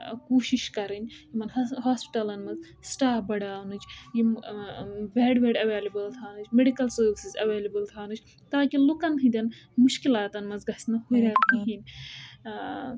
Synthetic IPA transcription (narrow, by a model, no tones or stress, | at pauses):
kuːʃiʃkɐɾɨnʲjimɐnɦaːspi̥ʈɐlɐnmɐz | sʈaːfbɐɽaːwnɨt͡ʃji | ʋeːɖʋeːɖɐʋeːlʲɐbɐlt̪ʰaːnɨt͡ʃʰmeɖikɐlsoːʋsizɐʋeːlʲɐbɐlt̪ʰaːnɨt͡ʃʰ | t̪aːkilukɐnt̪ʰid̪ʲɐnmuʃkilaːt̪ɐnmɐzɡɐsʲnɨhuɾʲɐɾt̪iɦinʲ